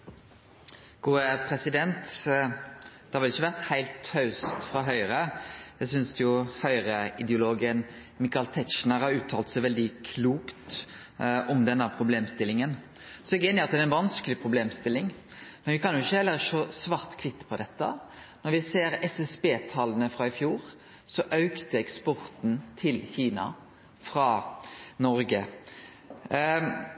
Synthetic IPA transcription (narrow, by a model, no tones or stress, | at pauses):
ɡ̥uːəpʰɾɛsɪd̪ɛnt̪ | d̪̥ɛhɑʋɪlɪçːəʋæʁt̪hæɪlt̪hœʉst̪fʁɑɦœʏɾəjæɪsʏnsɛjʊhœʏɾəɪd̪ɛʊloːɡən | mɪkɑlt̪ʰɛt̪ʃnəʁhɑɾʉːt̪ʰɑːlt̪sɛɪʋɛld̪ɪkʰluːkt̪ | ɔmd̪ɛnːəpʰɾʊbleːmst̪ɪlɪŋən | sɔɛɡəeːnɪŋɑt̪d̪æɛɾɛnʋɑnskəlɪpʰɾʊbleːmst̪ɪlːɪŋmɛnʋɪkʰɑnjʊɪçːəhɛlːəɾʂoːsʋɑːʁt̪kʰʋɪt̪ːpʰɔd̪ɛt̪ːə̰nɔɾʋɪseːɾɛsɛsbeːt̪ʰɑlənəfɾɑɪfjuːɾ | sɔʔɑʉkt̪əɛkspɔɾt̪nt̪ʰɪlçiːnɑ̰ | fɾɑnɔɾɡə